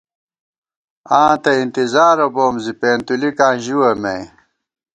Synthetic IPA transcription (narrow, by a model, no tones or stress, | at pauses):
ãːt̪ɐint̪izaːɾoboːmzipeːnt̪ulikãːʑiwɐme